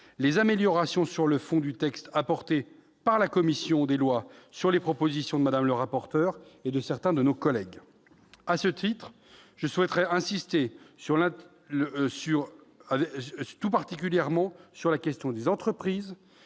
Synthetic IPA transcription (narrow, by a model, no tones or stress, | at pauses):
lezameljɔʁasjɔ̃syʁləfɔ̃d̪yt̪ɛkst̪apɔʁt̪e | paʁlakɔmisjɔ̃d̪elwasyʁlepχɔpozisjɔ̃d̪əmad̪amləʁapɔʁt̪œʁed̪əsɛʁt̪ɛ̃d̪ənokɔlɛɡ | asət̪ʰit̪χ | ʒ̥əswɛt̪χɛɛ̃sist̪esyʁlɛ̃ | syʁavɛt̪upaʁt̪ikʲyljɛʁmɑ̃syʁlakʲɛst̪jɔ̃d̪ezɑ̃t̪χəpχiːz